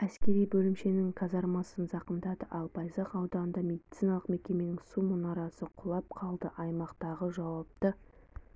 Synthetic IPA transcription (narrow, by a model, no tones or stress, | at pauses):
æskʲe̞ɾijbɵlɪmʃe̞nɪŋqʰɑzɑɾmɑsənzɑqənd̪ɑd̪əʔɑlˠpʰɑjzɑqɑwd̪ɑnənd̪ɑmʲe̞d̪it̪sijnɑlˠəqme̞kʲe̞me̞nɪŋsumʊnɑɾɑsəqʰʊlˠɑp̚qʰɑlˠd̪əʔɑjmɑqt̪ɑʁəʒɑwɑp̚t̪ə